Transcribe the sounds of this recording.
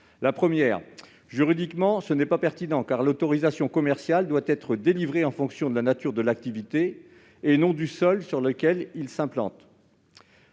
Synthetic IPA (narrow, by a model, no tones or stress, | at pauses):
lapχəmjɛːʁ | ʒyʁid̪ikmɑ̃sənɛpapɛʁt̪inɑ̃kaʁlot̪ɔʁizasjɔ̃kɔmɛʁsjald̪wat̪ɛt̪χəd̪elivʁeɑ̃fɔ̃ksjɔ̃d̪əlanat̪yʁd̪əlak̚t̪ivit̪eː | nɔ̃d̪ysɔlsyʁləkʲɛlilsɛ̃plɑ̰̃t̪